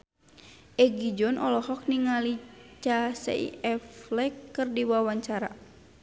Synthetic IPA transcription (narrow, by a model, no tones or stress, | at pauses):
ʔɛɡid͡ʒɔnʔɔlɔhɔk̚niŋalit͡ʃasɛ̰ḭɛflɛkːɨrdiwawaɲt͡ʃaɾa̰